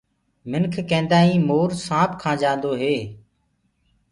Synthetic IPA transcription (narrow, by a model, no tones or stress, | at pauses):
mɪnkʰkẽːnd̪aːĩːmoːɾsãːp̚kʰãːd͡ʒãːnd̪oːɦeː